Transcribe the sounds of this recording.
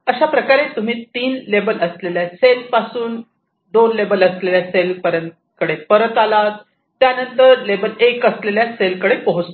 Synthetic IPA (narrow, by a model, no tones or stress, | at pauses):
əɕapɾəkaɾet̪um̤iːt̪iːnlebələsleljaselpasuːn | d̪onlebələsleljaselpəɾən | kəɽepəɾət̪alat̪ː | janənt̪əɾlebəlekəsleljaselkəɽepəɦut͡st̪o